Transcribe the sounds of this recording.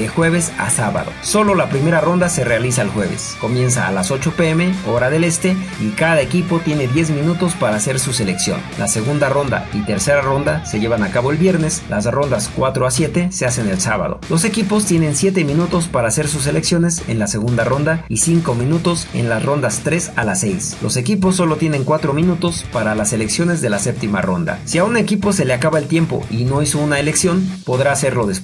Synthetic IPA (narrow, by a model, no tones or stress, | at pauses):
exwe̞βesa̰saβa̰ðo̞̰so̞lo̞lapɾime̞ɾaro̞nd̪ase̞re̞alisaelxwe̞βe̞̰sko̞mje̞ns̬a̰ːlaso̞t͡ʃo̞pe̞eme̞o̞ɾaðe̞le̞st̪e̞ikaðaekipo̞t̪je̞ne̞ðje̞zmĩnut̪o̞spaɾaːse̞ɾsuse̞le̞ksjo̞̰nlʔase̞ɣund̪aro̞nd̪a̰it̪e̞ɾse̞ɾaro̞nd̪ase̞ʝe̞βanakaβo̞e̞lβje̞ɾne̞slasro̞nd̪askwat̪ɾoasje̞t̪e̞se̞ase̞ne̞lsaβa̰ðo̞̰lo̞se̞kipo̞st̪je̞ne̞nsje̞t̪e̞mĩnut̪o̞spaɾaːse̞ɾsus̬e̞le̞ksjo̞ne̞se̞̰nlase̞ɣ̞und̪aro̞nd̪aisiŋko̞mĩnut̪o̞se̞̰nlasro̞nd̪ast̪ɾe̞salase̞jslo̞̰se̞kipo̞s̬ːo̞lo̞t̪je̞ne̞ŋkwat̪ɾo̞mĩnut̪o̞spaɾalase̞le̞ksjo̞ne̞zðe̞lase̞p̚t̪ima̰ro̞nd̪a̰siaunekipo̞se̞le̞akaβaelt̪je̞mpo̞̰ino̞iso̞unaele̞ksjo̞npo̞ðɾaːse̞ɾlo̞ðes